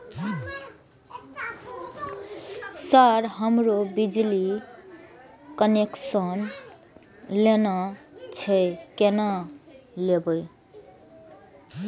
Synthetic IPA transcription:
saɾɦəmɾobid͡ʒli | kəneksən | lenat͡ʃʰɛkena | lebəj

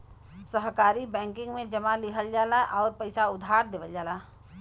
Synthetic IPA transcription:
səɦkaːɾibɛ̃ːŋkɪ̃ŋɡmẽd͡ʒɐmalɪɦʰəld͡ʒaːlaʔɔːɾpəɪsaʊd̪ʱaːɾd̪eːʋəld͡ʒaːla

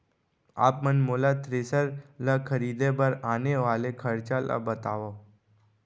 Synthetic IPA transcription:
a̰ːp̚mənmoːlat̪ɾeːsəɾlakʰəɾiːd̪ebəɾaːneʋaːlekʰəɾt͡ʃala̰bət̪aːʋo

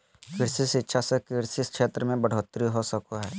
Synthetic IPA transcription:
kɪɾsisɪtːʃʰasekɪɾsiskʃʰeːt̪ɾəmẽbɐɽ̤oːt̪ːɾiɦosəkoɦɛː

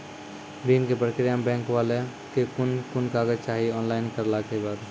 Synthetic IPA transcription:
biːnkepɾəkɾjambɛ̃ːŋkʋaːle | kekʊnkʊnkaːɡət͡ʃaːɦiɔːnlaːɪnkəɾlaːkebaːd̪

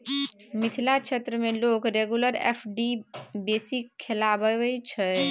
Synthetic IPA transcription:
mɪt̪ʰilakt͡ʃʰet̪ɾəmelokɾeɡjuləɾḛpʰɖibesikʰːelabəəjt͡ʃʰə

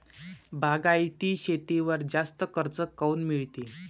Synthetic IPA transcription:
bʱaɡajt̪iːɕet̪eʋəɾd͡zast̪əkəɾt͡səkːəuːnmiɭt̪i

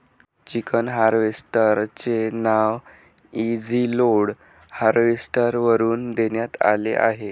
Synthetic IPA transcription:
t͡ɕikʰənɦaɾʋesʈəɾt͡ɕenaʋ | id͡ziloɽ | haɾʋesʈəɾʋəɾuːnd̪eɳjat̪a̰lḛʔa̰ɦe

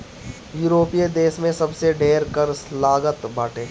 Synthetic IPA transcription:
juːɾoːpijed̪eːʃmẽsɐbseɖʱeːɾkəɾslaːɡət̪baːʈʰẽː

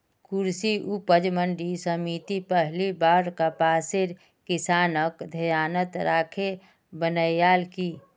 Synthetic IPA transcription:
kʊɾsiʔupəd͡ʒməɳɖisəmiːt̪ipɛɦlibaːɾkapaːseɾ | kɪsaːnəkd̪ʱəjaːnət̪ɾaːkʰe | bənəjjaːlkiː

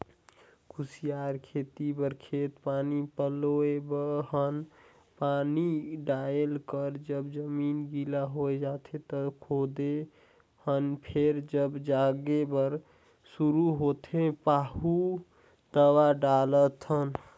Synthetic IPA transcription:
kʰusijaɾkʰet̪ibəɾkʰet̪panipəloebəɦən | paniɖaelkəɾd͡ʒəbd͡ʒəminɡilaɦoed͡ʒat̪ʰet̪əkʰod̪e | hənpʰeɾd͡ʒəbd͡ʒaɡebəɾ | suɾuɦot̪ʰẽpahu | d̪əwaɖalət̪ʰən

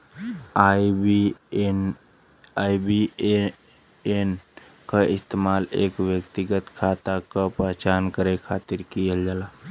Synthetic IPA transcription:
a | ibi | en | kaɪst̪eːmaːleːkʋjəkt̪ɪɡət̪kʰaːt̪akapəɦt͡ʃaːnkəɾekʰaːt̪ɪɾkijəld͡ʒalaː

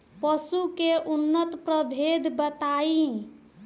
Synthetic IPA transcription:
pəsukeʔunːət̪pɾəbʱed̪ʱbət̪ai

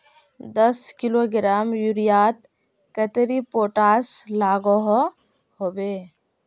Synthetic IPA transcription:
d̪ɐskɪloɡɪɾaːmjuɾijaːt̪̚ | kət̪ɾipoːʈaːslaːɡoɦ | hoːbeː

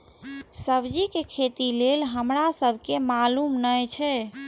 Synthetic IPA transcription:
səbd͡ʒikekʰet̪ilelɦəmɾasəbʱkemalumnəjt͡ʃʰɛ

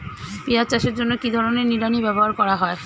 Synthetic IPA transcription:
piat͡ɕaʃeɾd͡ʑonːokid̪ʱɔɾoneɾniɾanibɛboɦaɾkɔɾaɦɔe

